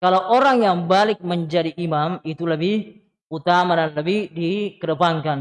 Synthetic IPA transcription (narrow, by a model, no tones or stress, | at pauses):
kalaʔoɾaŋjaŋbalɪk̚məɲd͡ʒadiʔːmamit̪uləbih | ut̪amadanləbihdikəɾəpaŋkan